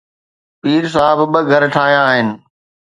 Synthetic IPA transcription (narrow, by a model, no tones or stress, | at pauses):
piːɾs̬aːɦɪbbəɡʱɐɾʈʰaːɦijãːɦɪnɪ̆